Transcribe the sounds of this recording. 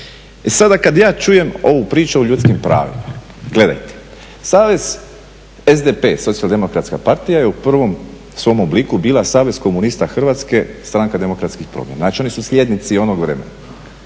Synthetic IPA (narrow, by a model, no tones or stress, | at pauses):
esad̪akad̪jaːt͡ʃuje̞mo̞ʋupɾiːt͡ʃuoʎut̪skimpɾa̰ːʋḭma | ɡle̞d̪a̰jt̪e̥ | saːʋe̞z̥ | ezd̪epe̞ːso̞t̪sijald̪e̞mo̞kɾat̪skapaɾt̪ijajeupr̩ʋo̞m | sʋo̞ːmobliːkubiːlasaːʋe̞zko̞munist̪axr̩ʋaːt̪ske̞st̪ɾaŋkad̪e̞mo̞kɾat̪skixpɾo̰mjenanaːt͡ʃio̞nisusʎʲe̞d̪nit̪sio̞noɡʋɾe̞̰mena